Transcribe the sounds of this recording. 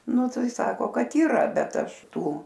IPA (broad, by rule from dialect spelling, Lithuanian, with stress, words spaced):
ˈnʊ ˈtɐɪ ˈsɑːkoː ˈkɐt iːˈrɐ bʲɛt ˈɐʃ ˈtuː